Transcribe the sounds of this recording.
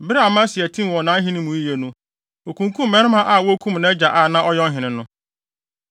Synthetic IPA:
bɪ˦ɾa˨mã˦sɪ˨æ˨tʰĩ˦˨wɔ˨nã˨˦ɦɪ̃˦nɪ̃˦mũ˨i˦je˨nũ˦ | o˨kʰũ˨ŋkʰũ˦mːɛ̃˦nɪ̃˦mã˦ʔa˨wɔ˦kʰũ˦mnã˦d͡ʑa˨ʔa˨nã˦ʔɔ˦jɔ˦ɦɪ̃˨nɪ̃˨nʊ̃˦

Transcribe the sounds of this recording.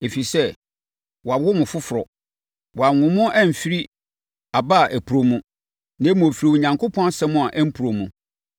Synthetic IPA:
e˨fi˨sɛ˦ | wɔ˨a˨wʊ˦mʊ̃˨fʊ˦fʊ˨ɾɔ˨ | wɔ˨a˨ŋʊ̃˨mʊ̃˦ʔɛ˦m̩˨fi˦ɾi˦ | a˨ba˦˨ʔæ˨pʰu˨ɾo˨mũ˦ | nɛ̃˦m˨o˨fi˨ɾi˨u˨ɲã˨ŋkʰʊ˦pʰɔ̃˦n˦sɛ̃˦mʊ̃˦a˨ʔɛ˦m̩˦pʰu˨ɾo˨mũ˨

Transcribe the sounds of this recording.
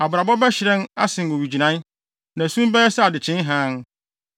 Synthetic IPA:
a˨bɾa˨bɔ˦bɛ˦ɕɪ˨ɾɛ̃˦na̰˦sɪ̃˨ŋ˨wo˨wi˨d͡ʑi˨nã˦ | nã˨sũ˦m˦bɛ˦jɛ˦sɛ˦a˨dɪ˨t͡ɕʰɪ̃˦n˦ɦãː˦n˦

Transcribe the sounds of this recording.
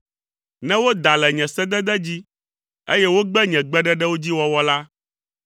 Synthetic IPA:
nɛ̃˦wo˦d̪a˨lɛ˨ɲɛ̃˨sɛ˦d̪ɛ˦d̪ɛ˦d͡ʑi˦ | e˦jɛ˦wo˦ɡ͡bɛ˦ɲɛ̃˨ɡ͡bɛ˦ɖɛ˦ɖɛ˦wo˦d͡ʑi˦wɔ˦wɔ˦la˦

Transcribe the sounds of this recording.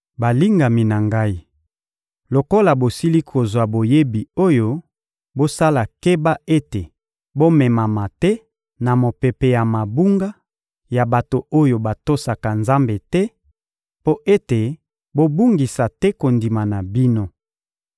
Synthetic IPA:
ba˨li˦ŋɡa˨mi˨na˨ŋɡa˦i˨ | lo˨ko˦la˨bo˨si˦li˦kʰo˨zwa˨bo˨je˦bi˨o˦jo˦ | bo˦sa˦la˨ke˦ba˦ʔe˦te˨ | bo˦mɛ˨ma˨ma˨tɛ˦ | na˨mo˨pe˨pe˨ja˨ma˨bu˦ŋɡa˦ | ja˨ba˨to˨o˦jo˨ba˨to˦sa˨ka˨nza˦mbe˨tɛ˦ | po˦ʔe˦te˨ | bo˦bu˦ŋɡi˨sa˨tɛ˦ko˨ndi˨ma˨na˨bi˦no˦

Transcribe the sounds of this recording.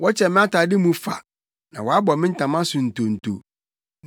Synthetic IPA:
wɔ˦t͡ɕʰɛ˨mɪ̃˦a˦tʰaː˨dɪ˦mũ˦fa̰˨ | nã˨wɔ˨a˦bɔ˨mɪ̃˦n̩˦tʰã˨mã˦sʊ̃˨n̩˨tʰo˨n̩˨tʰo̰˨

